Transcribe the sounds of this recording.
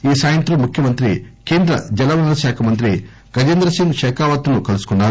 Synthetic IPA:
iːsaːjɐnt̪ɾɐmːukʰjɐmɐnt̪ɾḭkeːnd̪ɾɐ̰d͡ʒɛlɐʋɐɐʃaːkʰɐmɐnt̪ɾi | ɡɐd͡ʒend̪ɾɐsiŋɡʃɛːkaːʋat̪ːunukɐlusu̥kunːaːɾu

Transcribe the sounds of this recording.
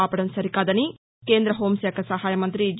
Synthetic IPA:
aːpɐɽɐnsɐɾikaːd̪ɐni | keːnd̪ɾɐɦo̞ːmsɛːkʰɐsɐɦaːjɐmɐnt̪ɾid͡ʒ

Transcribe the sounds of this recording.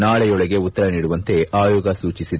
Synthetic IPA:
naːɭɛjɔɭɐɡe̞ut̪ːɐɾɐniːɽuʋɐnt̪e̞ʔaːjɔːɡɐsuːt͡ʃisid̪

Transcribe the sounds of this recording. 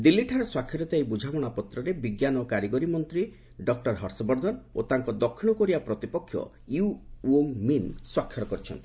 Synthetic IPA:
d̪ilːiʈʰaɾɔswakʰjɔɾɔt̪ajbud͡ʒʱaɡɔɽ̃apɔt̪ɾɔɾebiɡjanɔkaɾiɡɔɾimɔnt̪ɾi | ɖɔk̚ʈɔɾɦɔɾsɔbɔɾd̪ʱɔnot̪aŋkɔd̪ɔkʰːiɽ̃ɔkɔɾibapɾɔt̪ipɔkʰːjɔ̰ | juoŋminswakʰjɔɾɔkɔɾit͡ʃʰɔ̰nt̪i̥

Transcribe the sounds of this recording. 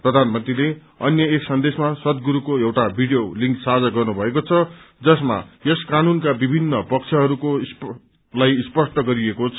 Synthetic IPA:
prʌd̪ʱanmʌnt̪rile | ʌnjʌeksʌnd̪esmasʌt̪̚ɡuɾukoewʈabʱiɽijoliŋksad͡zaɡʌrnubʱʌekot͡sʰʌd͡zʌsma̰jʌskanunkabibʱinːʌpʌk̚t͡sʰʌɦʌɾukos | lajspʌsʈʌɡʌɾiekot͡sʰ

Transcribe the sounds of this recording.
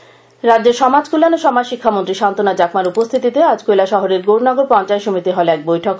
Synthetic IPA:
ɾad̪ːd͡ʑeɾʃɔmad͡ʑkulanoʃɔmad͡ʑʃikʰːamont̪ɾiʃant̪onad͡ʑakmaɾupost̪ʰit̪it̪ead͡ʑkojlaʃɔɦoɾeɾɡoɽnɔɡoɾpɔnt͡ɕaet̪ʃomit̪iɦɔlɛk̚bojʈʰok

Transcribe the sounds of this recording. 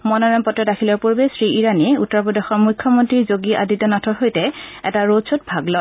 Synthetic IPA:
mɔnɔɹampɔtːɔtakʰilɔɹpuɹbesɹiʔiɹaniutːɔɹpɹɔdɔxɔɹmukʰjɔmɔntɹiɹzoɡiʔa̰ditɔnatʰɔɹɦojtɛɛ̰taɹodsʰot̚bʱaɡlɔ

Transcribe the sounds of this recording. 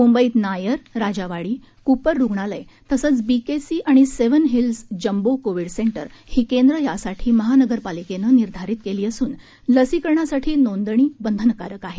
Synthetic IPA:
mumbəiːt̪najəɾɾad͡ʑaʋaɽiː | kupəɾːuɡɳaləj | t̪əsəːt͡sbikesiːʔaɽ̃iseʋənɦilsd͡ʑəmbokoʋiɽseɳʈə̰ɾhiːkend̪ɾəjasaʈʰiːməɦanəɡəɾpalikenəniɾd̪ʱaɾit̪̚keliːəsuːn | ləsikəɾɳasaʈʰiːnond̪əɳ̃iːbənd̪ʱənkaɾəkaɦe

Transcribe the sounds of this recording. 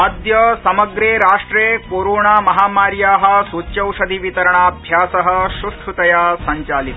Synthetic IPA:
ɐd̪jɐsɐmɐɡɾeːɾaːʂʈɾeːkoːɾoːɳaːmɐɦaːmaːɾjaːɦɐ̆sut͡ʃɐwʂɐd̪ʱiʋit̪ɐɾɐɳaːɐbʱjaːsɐɦɐ̆ʃɾusʈʰɾut̪ɐjasɐɲt͡ʃaːlik̪

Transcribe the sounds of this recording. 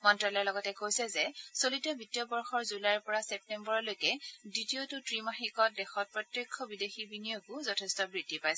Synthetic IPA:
mɔntɹɔlɔjɛlɔɡɔtɛkojsɛzɛsolitɔbitijɔbɔɹxɔɹzulajɹpɔɹasɛp̚tɛmbɔɹɔlojkɛditiotʊtɹimaxikɔt̚dɛxɔt̚pɹɔtɹekʰːɔbidexibinijokʊzɔtʰɛstɔbɹitːipajsɛ

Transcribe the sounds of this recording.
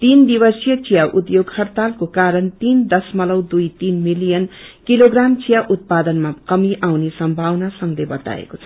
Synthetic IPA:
t̪ind̪ibʌsjʌt͡sijaʔud̪joɡhʌrt̪alkokaɾʌnt̪ind̪ʌsmʌlʌwd̪ujt̪inmilijʌnkiloɡramt͡sijaʔut̪̚pad̪ʌnmakʌmiʔawnesʌmbʱawnasʌŋlebʌt̪a̰ḛkot͡sʰʌ̥

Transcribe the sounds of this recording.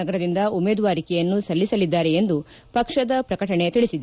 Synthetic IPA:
ɐɡɐɾɐd̪ind̪ɐumeːd̪ʋaːɾikɛjɐnːusɐlːisɐlid̪ːaːɾe̞end̪u | pɐkʂɐd̪ɐpɾɐkɐʈɐɳe̞t̪iɭisid̪

